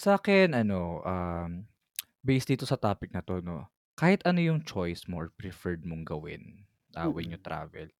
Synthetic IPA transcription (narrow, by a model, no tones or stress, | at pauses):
sɐʔaːkɛnʔɐno̞ʔam | bɛjsd̪iːt̪osɐt̪aːpɪk̚nɐt̪o̞no̞̰ | kaːhɪt̪ʔɐnojʊŋt͡ʃojsmoʔɔɹpɾɛfɛɹd̪̚moŋɡɐwɪ̰n | ʔɐwɛnjʊt̪ɾa̰ːvɛ̰l